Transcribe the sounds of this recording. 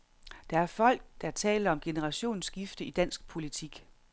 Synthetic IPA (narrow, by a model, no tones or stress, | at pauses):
d̥ɑ̈æɐfɒ̽l̰ɡ̥̚d̥ɑ̈t͡sʰɛ̰ːlɐɒ̽mɡ̥e̝nəʁɑ̈ɕo̝̰ːnsɡ̥ifd̥əid̥æn̰sɡ̥pʰo̝lit͡sʰiɡ̥